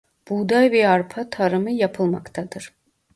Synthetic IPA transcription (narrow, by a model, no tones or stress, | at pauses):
b̥ud̪ajvɛaɾpʰat̪ʰaɾɯmɯjapʰɯlˠma̰kt̪ʰad̪ɯɾ̥